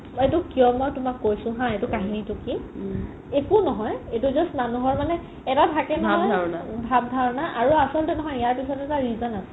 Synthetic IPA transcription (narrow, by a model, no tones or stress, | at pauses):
etʊkijɔmɔjtʊmakːojsʊ̃ɦãetukaɦinitʊki | ekunɔɦɔjetuzɔstmanuɦɔɹmanɛ | ɛtatʰakɛnɔɔjabʱabdʱaɹnaʔaɹuasɔltɛnɔɦɔjijaɹpisɔtɛtaɹizɔnasɛ̥